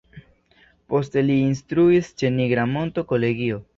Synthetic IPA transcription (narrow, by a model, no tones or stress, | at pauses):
po̞ste̞liːnstɾuist͡ʃe̞niɡɾamo̞nto̞ko̞le̞ɡio̞